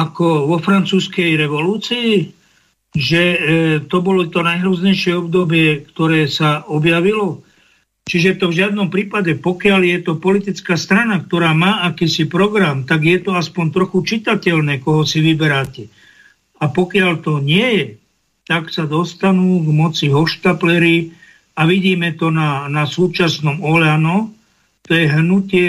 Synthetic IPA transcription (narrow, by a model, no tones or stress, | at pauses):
akɔʋɔfɾant͡suːskɛjɾɛʋɔluːt͡siː | ʒɛt̪ɔbɔlɔt̪ɔnajɦɾuːzɲɛjʃɪɛɔbd̪ɔbɪɛkt̪ɔɾɛːsaɔbjaʋilɔ | t͡ʃiʒɛt̪ɔvʒɪad̪nɔmpɾiːpaɟɛpɔkɪaljɛt̪ɔpɔlit̪it͡skaːst̪ɾanak̚t̪ɔɾaːmaːakiːsipɾɔɡɾamt̪aɡjɛt̪ɔaspɔɲt̪ɾɔxut͡ʃit̪acɛlnɛːkɔɦɔsiʋibɛɾaːcɛ | apɔkɪalt̪ɔɲɪɛjɛ | t̪aksad̪ɔst̪anuːɡmɔt͡siɦɔʃt̪aplɛɾi | aʋiɟiːmɛt̪ɔnanasuːt͡ʃasnɔmɔʎanɔ | t̪ɔjɛɦnucɪɛ